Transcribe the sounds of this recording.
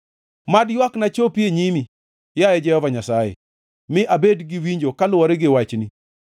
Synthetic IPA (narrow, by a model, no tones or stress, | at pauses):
madjwaknat͡ʃopieɲimi | jajɛd͡ʒɛhɔvaɲasajḛ | mɪʔabedɡɪwiɲd͡ʒokalʊɔɾeɡɪwat͡ʃni